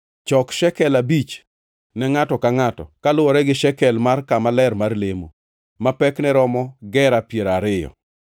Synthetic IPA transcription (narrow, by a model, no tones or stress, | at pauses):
t͡ʃɔkʃɛkɛlabit͡ʃ | nɛŋatɔkaŋatɔ̰kalʊwɔɾɛɡɪʃɛkɛlmarkamalɛrmarlemo̰ | mapɛknɛɾɔmɔɡɛɾapjeɾaɾɪjɔ̰